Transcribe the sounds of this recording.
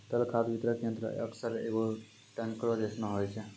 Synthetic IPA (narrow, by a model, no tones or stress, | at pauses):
t̪əlkʰad̪bʱit̪ɾəkjend̪ɾə̰ə̰ksəɾḛɡo | ʈənkɾod͡ʒesnəɦojt͡ʃʰɛ